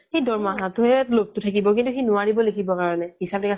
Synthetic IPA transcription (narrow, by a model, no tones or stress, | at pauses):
xejdɔɹmaɦatʊɦɛtlok̚tʊtʰakibɔk̬ĩntuxinʊaɹibɔlekʰibɔkaɹɔnɛhisabp̚ɛka